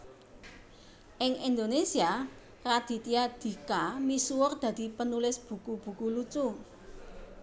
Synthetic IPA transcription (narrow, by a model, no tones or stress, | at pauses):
ʔɪŋind̪onesia | rad̪̥i̤t̪iad̪̥i̤kamisuwʊrd̪̥ä̤d̪̥i̤pənulɪsb̥ṳkub̥ṳkulut͡ʃu